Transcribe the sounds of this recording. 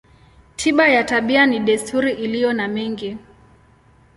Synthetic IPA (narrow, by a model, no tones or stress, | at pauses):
tʰiɓajataɓianiɗɛstʰuɾiʔilijɔnamɛŋɡi